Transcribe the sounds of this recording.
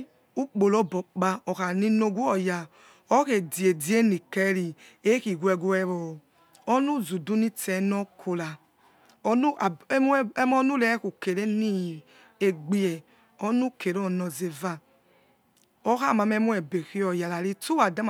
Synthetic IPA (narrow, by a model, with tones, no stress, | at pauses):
u˦k͡po˨lɔ˨bɔ˨k͡pa˧ɔ˨ka˨ni˦no˧ɡu˦ɔ˨ja˨ | ɔ˦ke˨di˨e˨di˨˦e˦ni˨kɛ˦ɾi˨ | e˦ki˨ɡu˦ɛ˧ɡu˧ɛ˧ɾɔ˨ | ɔ˦nu˦˨zu˨du˦ni˦tɛ˨nɔ˦kʰo˨la˨˦ | nu˦˨˦m˦ɔ˦nu˦lɛ˦ku˨ke˨ɾe˦ni˦ | e˨ɡ͡bi˦ɛ˨ | ɔ˦nu˦ke˨ɾɔ˦˨nɔ˨ze˨va˧ | ɔ˦xa˦˨ma˧mɛ˦mu˦ɛ˨be˨xi˦ɔ˨ja˨la˨ɾi˦tu˦wa˨da˦m˨